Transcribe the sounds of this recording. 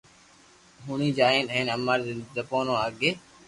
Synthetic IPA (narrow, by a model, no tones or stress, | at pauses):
ɦuɳĩːd͡ʒaːẽːnɦẽːnəmːaɾd̪əpoːnõːaɡeː